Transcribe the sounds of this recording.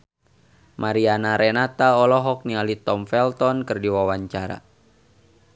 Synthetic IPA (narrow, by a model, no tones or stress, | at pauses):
mʔaɾianaɾɛnat̪aɔlɔɦɔk̚nialit̪ɔmfɛlt̪ɔnkɨrdiwawaɲt͡ʃaɾa̰